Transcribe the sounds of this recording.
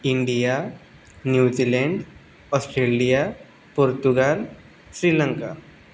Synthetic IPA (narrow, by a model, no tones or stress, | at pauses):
iɳɖija | njud͡ʑileɳɖ | ɔsʈɾelija | puɾt̪uɡal | sɾilə̃ŋka